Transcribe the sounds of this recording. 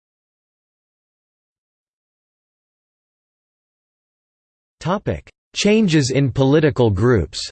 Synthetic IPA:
tʰɑpɪ̰k | t͡ʃʰẽɪ̃nd͡ʒɪzɪ̃npʰəlɪɾɨkəl̩ˠɡɹʉps

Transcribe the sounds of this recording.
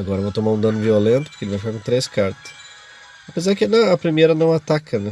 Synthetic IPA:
aɡɔɾɐvowt̪omaɾũd̪ɐ̃nʊviolẽnt̪ʊ̥pʊ̥ɾkelɪvajfikaɾkõt̪ɾeskaɾt̪ɐ̥s | ɐpezaɾɪkɪnɐ̃ɐpɾimejɾɐnɐ̃w̃at̪akʰɐnɛ

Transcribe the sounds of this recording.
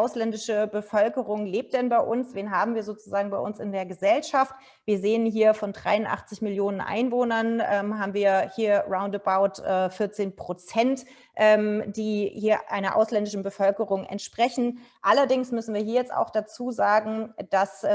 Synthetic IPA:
ʔaʊslɛndɪʃəbəfœlkəʁʊŋleːp̚t̚d̥ɛnbaɪʔʊnsv̥eːnɦaːbm̩viːɐzoːt͡suzaːɡŋ̩baɪʔʊnsɪ̰ndeːɐɡəzɛlʃaft | viːɐzeːənɦiːɐfɔndʁa̰ɪʊnʔa̰χt͡sɪçmɪljoːnənʔa̰ɪnvoːnɐnʔɛːmɦaːbm̩viːɐhiːɐʁaʊ̃ndəbaʊtʔɛːfɪɐt͡seːnpʁ̥ot͡sɛnt | ʔɛːmd̥iːhiːɐʔaɪnɐʔa̰ʊslɛndɪʃn̩bəfœlkəʁʊŋɛ̰ntʃpʁ̥ɛçn̩ʔalɐdɪŋsmʏsn̩viːɐɦiːɐjɛt͡sta̰ʊxd̥at͡suːzaːɡŋ̩d̥as

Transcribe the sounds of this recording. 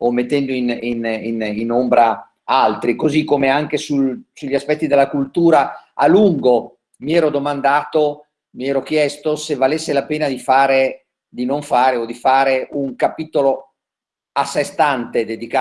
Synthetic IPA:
omːet̪ːɛnd̪oininininombɾa | alt̪ɾikozikːomeaŋk̟esusuʎːaspɛt̪ːid̪elːakult̪uːɾaaluŋɡo | miɛːɾod̪omand̪aːt̪o | miɛːɾok̟jɛst̪osevalesːelapeːnad̪ifaːɾe | d̪inoɱfaːɾeod̪ifaːɾeuŋkapit̪olo | asːest̪ant̪ed̪ed̪ika

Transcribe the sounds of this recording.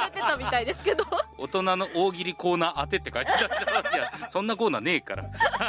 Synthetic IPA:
et̪et̪amʲit̪aid̪e̞sɨ̥ke̞d̪oo̰t̪o̞nano̞ʔoːɡʲiɾʲiko̞ːnaːʔat̪e̞t̪ːe̞kait̪et̪at͡ɕaajasõ̞nːako̞ːnaːne̞ːka̰ɾa̰

